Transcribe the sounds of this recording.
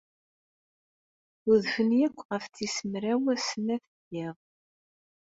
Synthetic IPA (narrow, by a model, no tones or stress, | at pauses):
ʊðfənjækʷːʁəft͡sːisəmɾæwæsənæθəɡiʁ